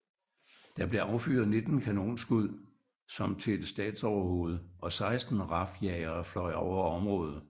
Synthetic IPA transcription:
d̥ɑ̈b̥le̝ʔɑ̈ʊfy̰ɐðˠne̝d̥n̩kʰæno̝̰ːnsɡ̥uð̰ˠ | sɒ̽mt͡sʰe̝d̥sd̥ɛ̰ːd̥sɒʊ̰ɐho̝ːð̞̩ˠəʔɒ̽sɑ̈ɪsd̥n̩ʁɑ̈fjɛɪɐːflɒ̽ɪɒʊ̰ɐɒ̽mʁɔ̽ːð̞̩ˠ

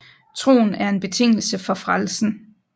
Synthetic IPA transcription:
t͡sʰʁo̝̰ːn̩æɐe̝nb̥e̝t͡sʰe̝ŋ̰l̩səfɒ̽fʁalsn̩

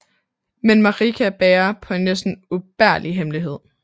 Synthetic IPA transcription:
menmɑ̈ʁikʰæb̥ɛːɐpʰɒ̽e̝nːesd̥n̩ub̥æɐ̰liɦemliɦe̝ð̞̰ˠ

